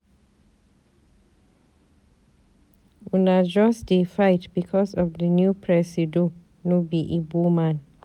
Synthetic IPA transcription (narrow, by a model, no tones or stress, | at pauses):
unad͡ʒɔsdefajtbikʰɔsɔvdənjupʰɹɛsido | nobiʔibumãn